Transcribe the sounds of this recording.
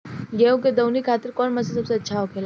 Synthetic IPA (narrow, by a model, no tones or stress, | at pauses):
jeũked̪ɐwnikʰaːt̪ɪɾkɔːnmɐsis̬ɐbseɐtːʃʰaɦokʰeːla